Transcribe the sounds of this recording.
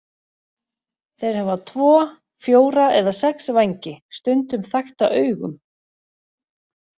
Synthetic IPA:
θejɾ̥hɛvat̪ʰvɔː | fjoːwɾaʔɛðasɛksvajɲcɪst̪ʏnt̪ʏmθajxt̪a̰ʔœːɥɣʏ̰m

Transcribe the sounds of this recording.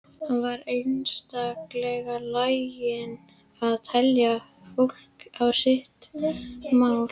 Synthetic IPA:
hanvaɾejnst̪aklɛɣalaːjjɪn | aðt̪ʰɛlja | fowl̥kawsɪht̪ | maw

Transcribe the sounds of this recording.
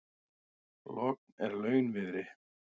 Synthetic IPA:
lɔk̚nɛɾlœːɥnvɪðɾɪ

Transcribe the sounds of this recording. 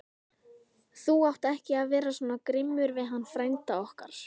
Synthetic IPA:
θuawht̪ɛhcɪaðvɛːɾasɔːnakɾɪmːʏɾvɪðɦanːfɾajnt̪aɔhka̰ɾ̥

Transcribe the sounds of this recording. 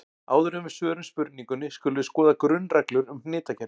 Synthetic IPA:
a̰ːwðʏɾʏmɪ̥svœːɾʏnspʏɾt̪niŋkʏnɪskœːlʏðʏskɔːðakɾʏnraklʏɾʏmnɪːt̪acʰɛ

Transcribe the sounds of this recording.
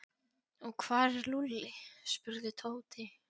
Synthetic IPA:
ɔɣkʰvaːɾɛɾlulːɪspʏɾðɪt̪ʰoːwt̪ʰɪ

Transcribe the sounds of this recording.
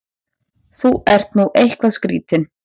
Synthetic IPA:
θuɛr̥t̪nuʔejhkvaðskɾiːt̪ɪn

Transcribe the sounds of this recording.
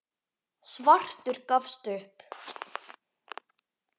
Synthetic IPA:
svar̥t̪ʏɾkafst̪ʏhp

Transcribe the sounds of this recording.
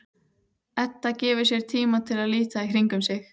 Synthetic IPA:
ɛt̪ːacɛːvʏɾ̥sjɛɾ̥t̪ʰiːmat̪ʰɪlaðliːt̪aikʰɾiŋkʏmsɪx

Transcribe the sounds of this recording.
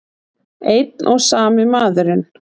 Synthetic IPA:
ejt̪̚nʔɔɣsaːmɪmaːðʏɾɪn

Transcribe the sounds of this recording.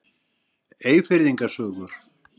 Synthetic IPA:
eːjfɪɾðiŋkasœːɣʏɾ̥

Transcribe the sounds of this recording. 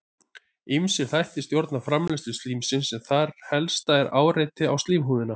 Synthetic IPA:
ɪmsɪɾ̥θajht̪ɪst̪jowɾt̪nafɾamlɛst̪ʏst̪liːmsɪnsɛmθaɾ̥hɛlst̪aɛɾaːwrejt̪ɪa̰wst̪liːmɦuːðɪna

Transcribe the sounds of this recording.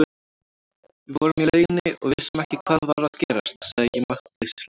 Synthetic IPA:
vɔɾʏmjɛlœːɥjnɪɔ̰ɣvɪsɪmɛhcɪkʰvaːðvaɾaðcɛːɾast̪saðjɛmaht̪ejsl

